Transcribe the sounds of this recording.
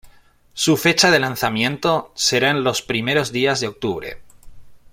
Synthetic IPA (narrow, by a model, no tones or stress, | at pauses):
sufe̞t͡ʃað̞e̞lanθamjẽ̞nt̪o̞se̞ɾaenlo̞spɾime̞ɾo̞zðiazðeo̞k̚t̪uβ̞ɾe̞̰